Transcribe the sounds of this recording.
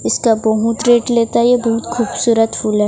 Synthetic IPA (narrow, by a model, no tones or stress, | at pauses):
ɪskabɐɦʊt̪ɾeːʈleːt̪aɛjebɐɦʊt̪xʰuːbsuːɾət̪fʰuːlɦɛː